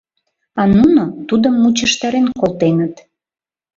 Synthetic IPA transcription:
ɑnunot̪ud̪əmːut͡ɕəʃt̪ɑɾenkolˠt̪enət̪

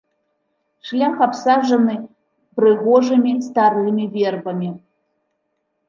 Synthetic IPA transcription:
ʂlʲaxapsaʐɐnɨ | pɾɨɣɔʐɨmʲist̪aɾɨmʲivʲɛrbɐmʲi

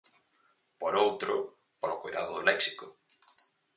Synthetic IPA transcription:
poɾowt̪ɾʊ | polokojðaðʊðolɛksi̥kʊ

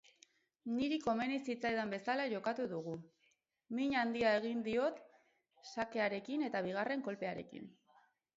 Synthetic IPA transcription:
niɾiko̞me̞nisit͡sajðambe̞salaʝo̞kat̪uðuɣ̞u | miɲand̪iae̞ɣind̪io̞t̪ | sake̞aɾe̞kine̞t̪aβ̞iɣ̞are̞ŋko̞lpe̞aɾe̞̰kḭn

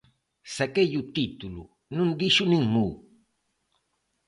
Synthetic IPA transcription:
sakejʊt̪it̪ulṵ | nʊnd̪iʃʊnɪŋmu

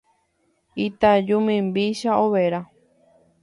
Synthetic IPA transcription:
it̪ad͡ʒũmĩmbiʃaoβeɾa

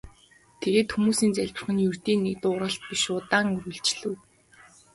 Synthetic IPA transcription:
t̪ʰeɣeːt̪xumuːsiːnt͡sæɮʲpɘ̆r̆χɘ̆njur̥t̪iːnːekt̪ʊːɾə̆ɬt̪̚pʲiʃʊːt̪aːŋɵɾɵ̆ɮt͡ɕɮɘ̆w

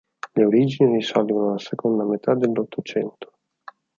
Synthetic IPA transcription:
leoɾid͡ʒinirisɔlɡonolasekond̪amet̪ʰad̪elːot̪ʰːot͡ʃɛnt̪ʰo̥

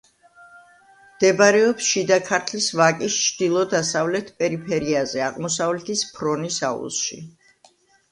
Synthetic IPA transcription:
md̪̥ɛbaɾɛɔpsʃid̪akʰaɾt̪ʰlisvakʼist͡ʃʰd̪̥ilˠɔd̪asavlɛt̪ʰpʼɛɾipʰɛɾiazɛaqʼmɔsavlɛt̪ʰispʰɾɔnisa̰ṵlˠʃḭ

